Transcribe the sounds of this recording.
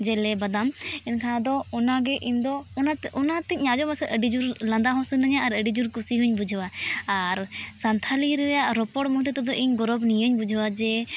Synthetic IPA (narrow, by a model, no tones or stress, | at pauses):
d͡ʒɛlɛbad̪amɛnkʰaad̪ɔɔnaɡɛʔiɲd̪ɔɔnaɔnat̪ɛɲad͡ʒɔmasɛʔəɖid͡ʒuɾlãnd̪aɦɔ̃sənaɲaaɾəɖid͡ʒuɾkusiɦuɲbud͡ʒʱwaaɾsant̪ʰaliɾɛɾɛjaʔɾɔpɔɽmuɦt̪ɛt̪ɔd̪ɔʔiɲɡɔɾɔbnijəɲbud͡ʒʱwad͡ʒɛ